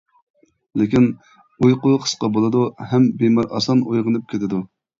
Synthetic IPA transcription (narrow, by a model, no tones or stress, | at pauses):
lɪkʲin | ujqʊqʰə̥sqɑbolˠɨd̪uhɛmbemɑɾɑ̰sɑnujʁənɨp̚kʲʰet̪ʰɪd̪u